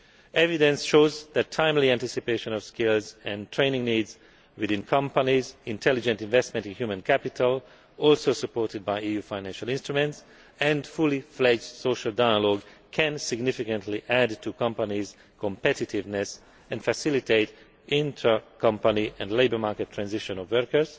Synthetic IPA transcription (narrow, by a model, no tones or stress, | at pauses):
ɛvidɛ̃nsʃoːzðætʰːãɪ̃mliæ̃ntɪsipeɪʃə̃nɔv̥skɪlzɛ̃ntʰɹẽɪnɪ̃ŋniːdz | wɪðɪ̃nkʰʌ̃mpanizɪ̃ntʰɛlid͡ʒɛ̃ntɪ̃nvɛstmɛ̃ntɪ̃nhjumə̃nkʰæpɪtʰəl | ɔlsoʊsəpɔɹtɪd̚bajiːjuːfãɪ̃næ̃nʃalɪ̃nstɹumɛ̃nts | ɛ̃ndfuliflɛd͡ʒsoʃalˠdaɪəlɔɡkʰɛ̃nsɪɡnɪfikə̃ntliʔædtukʌ̃mpaniz̥ | kʰɔ̃mpɛtɪtʰɪvnɛs | ɛ̃nfæsɪliteɪt | ʔɪ̃ntʰɹakʰʌ̃mpaniʔɛ̃ndleɪbə˞maɹkɛtʰːɹæ̃nzɪʃɔ̃nɔvwɜɹkə˞z̥